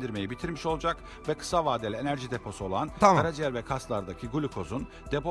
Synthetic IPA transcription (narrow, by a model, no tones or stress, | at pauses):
d̪iɾme̞jibit̪ʰiɾmiʃo̞lˠd͡ʒak | vɛkʰɯ̥savaːd̪elʲenæɾʒid̪e̞pʰo̞suo̞lˠanʰaɾad͡ʒeæɾvɛkʰast̪lˠaɾd̪acʰiɡulʲikʰo̞zun | d̪ep